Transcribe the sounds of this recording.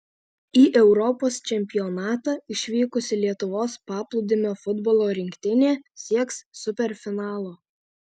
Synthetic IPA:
iːʔɛʊɾɔpoːst͡ʃʲɛmʲpʲɪɔnɑːt̪ɑːɪʃʲʋʲiːkʊsʲɪlʲiɛt̪ʊʋoːspɑːplˠʊd̪ʲɪmʲoːfʊd̪bɔlˠoːɾʲɪŋʲkʲt̪ʲɪnʲeːsʲiɛkssʊpʲɛɾʲfʲɪnɑːlˠoː

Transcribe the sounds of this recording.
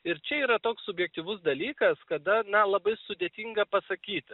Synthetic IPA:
ɪɾt͡ʃʲɛiːɾɐt̪oːkssʊbʲjɛk̚t̪ʲiːʋʊsd̪ɐlʲiːkɐskɐd̪ɐnɐlˠɐbɐɪsʊd̪ʲeːt̪ʲiŋɡɐpɐsɐkʲiːt̪ʲ

